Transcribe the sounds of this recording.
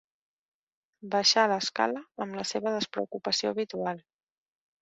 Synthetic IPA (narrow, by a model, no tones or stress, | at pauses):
bəʃaləska̰ləəmləseβəðəspɾə̰ukupəsioəβ̞it̪ualˠ